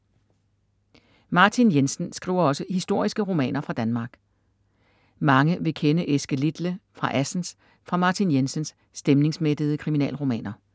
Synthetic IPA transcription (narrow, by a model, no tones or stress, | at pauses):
mɑ̈ːt͡sʰinjensən̩sɡ̥ʁḭʊ̰ɐɒ̽səhisd̥o̝ɐ̰isɡ̥əʁo̝mɛ̰ːnɐfʁɑ̈d̥ænmɑ̈ːɡ̥ | mɑ̈ŋəʋe̝kʰenəʔesɡ̥əlid̥ləfʁɑ̈ʔæsn̩s | fʁɑ̈mɑ̈t͡sʰinjensənsːd̥emne̝ŋsmed̥ð̞̩ˠəkʰʁiminɛ̰ːlʁo̝mɛ̰ːnɐ